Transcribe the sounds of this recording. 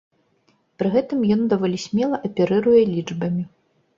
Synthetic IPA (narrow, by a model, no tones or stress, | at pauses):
pɾɨɣɛt̪ɨmjɔnd̪avɔlʲisʲmʲɛlˠɐʔɐpʲɛɾɨɾujɛlʲid͡ʐbɐmʲi